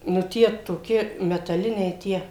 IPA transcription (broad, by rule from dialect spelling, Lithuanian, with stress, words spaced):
nʊ ˈtʲiɛ toːˈkʲɪ mʲɛtɐˈlʲɪnʲɛɪ ˈtʲiɛ